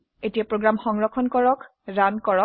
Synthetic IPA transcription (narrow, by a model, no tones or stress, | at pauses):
etijapɹoɡɹamxɔŋɹɔkʰɔnkɔɹɔk | ɹankɔɹɔ